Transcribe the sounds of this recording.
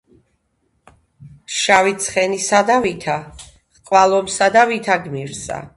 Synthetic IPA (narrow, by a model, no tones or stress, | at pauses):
ʃavit̪sʰχɛnisad̪avit̪ʰa | ʁqʼwalˠɔmsad̪avit̪ʰaɡmiɾsa̰